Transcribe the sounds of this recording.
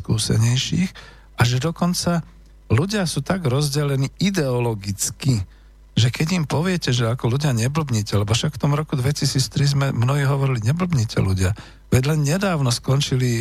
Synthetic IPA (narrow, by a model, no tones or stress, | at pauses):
kuːsɛ̰ɲɛjʃiːx | ʔaʒɛd̪ɔkɔnt͡sa | luɟɪasuːt̪aɡɾɔzɟɛlɛniːid̪ɛɔlɔɡit͡ski | ʒɛkɛɟimpɔʋɪɛcɛʒɛakɔluɟɪaɲɛbl̩bɲiːcɛlɛbɔfʃakft̪ɔmɾɔkud̪ʋɛcisiːt͡st̪ɾizmɛmnɔɦiɦɔʋɔɾiliɲɛbl̩bɲiːcʰɛ̰luɟɪa | ʋɛɟlɛnɲɛd̪aːʊnɔskɔnt͡ʃili